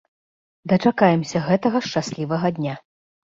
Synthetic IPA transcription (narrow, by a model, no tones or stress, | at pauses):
d̪ɐt͡ʂakajɛmsʲɐɣɛt̪ɐɣɐʂt͡ʂasʲlʲivɐɣɐd̪ʲnʲa